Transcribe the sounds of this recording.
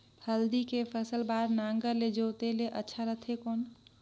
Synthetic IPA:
həld̪ikepʰəsəlbaɾnaŋɡəɾled͡ʒot̪eleʔətːʃʰaɾəɦt̪ʰekon

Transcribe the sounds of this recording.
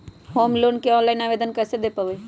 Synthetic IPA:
hoːmloːnkeɔ̃ːnlaːɪnaːʋeːd̪ənkəsed̪epəʋe

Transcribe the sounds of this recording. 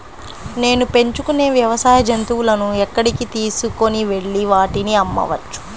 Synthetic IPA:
ne̞ːnupe̞ɲt͡ʃukune̞ːʋjɐʋɐsaːjɐd͡ʒɐnt̪uːulɐnuɛkːɐɽikit̪iːsuko̞niʋe̞ɭːiʋaːʈiniɐmːɐ̰ʋɐt͡ʃːu̥

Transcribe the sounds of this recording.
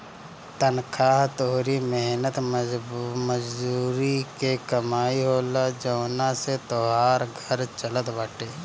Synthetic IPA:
t̪ənkʰaːɦt̪oːɾimeɦnət̪ | məd͡ʒd̪uːɾikekəmaːiɦoːlad͡ʒəːnaset̪oɦaːɾɡʱɐɾt͡ʃələt̪baːʈeː

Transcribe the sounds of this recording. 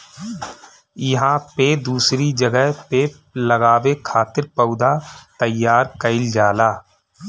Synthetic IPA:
jɐɦãped̪uːsɾid͡ʒəɡəɦpeːp̚ | ləɡaːwekʰaːt̪ɪɾpəʊd̪at̪əjːaːɾkəɪld͡ʒaːlaː

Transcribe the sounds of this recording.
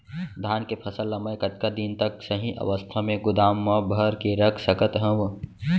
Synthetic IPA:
d̪ʱaːnkepʰəsəlːəməjkət̪kad̪int̪əksəɦĩʔə̰ʋəst̪ʰamẽɡʊd̪aːmːəbʱəɾkeɾəkʰsəkət̪ɦə̃b

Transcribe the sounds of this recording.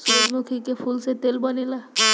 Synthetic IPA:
suɾod͡ʒmukʰikepʰulset̪elbənela

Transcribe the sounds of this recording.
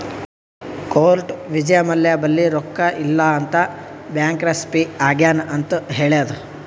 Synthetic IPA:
koːlʈʋid͡ʒɐjɐmɐljabɐlːiɾɔkːɐʔilːɐːnt̪ɐbjaːŋkɾɐspiaːɡjaːnʔɐnt̪ɐɦeːɭeɐd̪u

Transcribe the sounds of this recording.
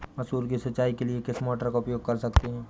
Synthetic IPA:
mɐsuːɾkisɐtːʃaːikeliekɪsmɔːʈəɾkaʊpjoːɡ̚kɐɾsɐkt̪eɦɛ̃ː

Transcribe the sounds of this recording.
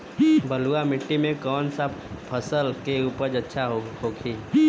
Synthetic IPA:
bəluamɪʈːimẽkɔːnsapʰəsəlkeuːpəɾd͡ʒətːʃʰaɦɦoːɡʰiː

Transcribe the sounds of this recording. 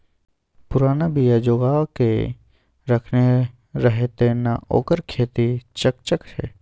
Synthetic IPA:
pʊɾaːnabijad͡ʒoːɡake | ɾəkʰne | ɾəɦet̪ena̰o̰ːkəɾkʰeːt̪it͡ʃəkt͡ʃəkɛ̰ː

